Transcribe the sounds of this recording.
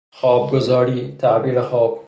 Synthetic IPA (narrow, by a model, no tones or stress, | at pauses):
xɔːb̚ɡʊzɔːɾiːt̪ʰabiːɾexɔːb̚